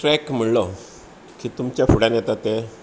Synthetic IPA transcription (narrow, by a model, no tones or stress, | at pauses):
ʈɾɛkm̤əɭlɔ | kiːt̪umt͡ɕjafuɽãnjɛt̪at̪e